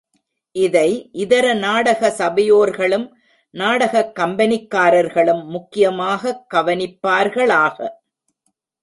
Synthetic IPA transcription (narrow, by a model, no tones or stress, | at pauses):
ʔɪðɐɪʔɪðɐɾɐnaːɽɐɣɐsɐbɐjoːɾɣɐɭɯm | naːɽɐɣɐkːɐmbɐnɪkːaːɾɐɾɣɐɭɯmːʊkːɪjɐmaːɣɐɡɐʋɐnɪpːaːɾɣɐɭaːɣɐ̰